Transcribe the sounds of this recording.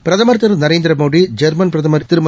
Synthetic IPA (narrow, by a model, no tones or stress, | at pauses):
pɪɾɐðɐmɐɾt̪ːɐɾɐnɐɾeːnd̪ɪɾɐmoːɽid͡ʒɐɾmɐnpɾɐðɐmɐɾt̪ːɪɾɯmɐ